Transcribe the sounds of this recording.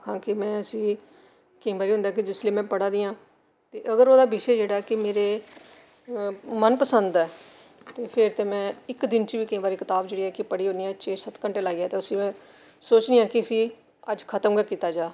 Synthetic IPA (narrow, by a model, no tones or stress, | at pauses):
kʰãːkɪmɛ̃ːəsĩː | kəĩːbaːɾiːɦʊ̃nd̪aːk̬ɪd͡ʒɪsleːmɛ̃ːpəɽaːd̪iːãː | t̪eːʔəɡəɾoːd̪aːbɪʃeːd͡ʒeːɽaːɛkɪmeːɾeː | mənpəsənd̪ɛː | t̪eːpʰɪɾt̪eːmɛ̃ːɪkd̪ɪnt͡ʃiːbiːkəĩːbaːɾiːkɪt̪aːbd͡ʒeːɽiːɛːkɪpəɽiːɦõːniːɛt͡ʃeːsət̪kəɳʈeːlaːiːɛːt̪eːʊsĩːɛ̃ː | soːt͡ʃniːjãːkɪəsĩː | əd͡ʒkʰət̪ə̃ɡaːkiːt̪aːd͡ʒaː